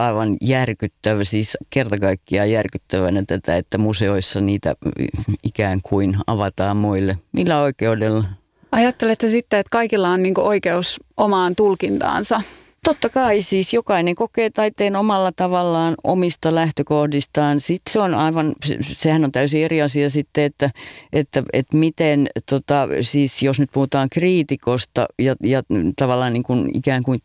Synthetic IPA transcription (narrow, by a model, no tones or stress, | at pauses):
ɑiʋɑnjærkyt̪ːæʋæsiːskert̪ɑkɑikːiɑjærkyt̪ːæʋænæt̪æt̪æ̰et̪ːæmuseoisːɑniːt̪æ̰ikæːŋkʰuinɑ̰ʋɑt̪ɑːmmoilːemilːæoikeudelːɑ | ɑjɑt̪ːelet̪hæsit̪ːeet̪kɑikilːɑonniːŋkoʔoikeusʔomɑːnt̪ulkint̪ɑ̰ːnsɑ | t̪ot̪ːɑkɑisiːsjokɑineŋkokeːt̪ɑit̪ːeːnomɑlːɑt̪ɑʋɑlːɑːno̰mist̪ɑlæht̪økohdist̪ɑːnsit̪seonɑiʋɑnssehænont̪æysieriɑsiɑsit̪ːeet̪ːæet̪ːæḛt̪mit̪ent̪ot̪ɑsiːsjosnyt̪̚puhut̪ɑːŋkriːt̪ikost̪ɑ̰jɑjɑt̪ɑʋɑlːˑɑːnniːŋkunḭkæːŋkui